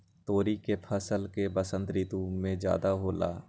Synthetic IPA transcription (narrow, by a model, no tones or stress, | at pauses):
t̪oːɾikepʰəsəlkebəsə̃nt̪ɾiːt̪ũmẽd͡ʒja̰ːd̪aɦoːla̰ː